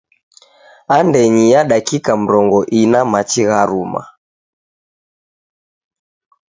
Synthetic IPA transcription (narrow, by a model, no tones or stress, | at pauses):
andɛɲijaɗakikam̩ɾɔŋɡɔʔinamat͡ʃiɣaɾuma̰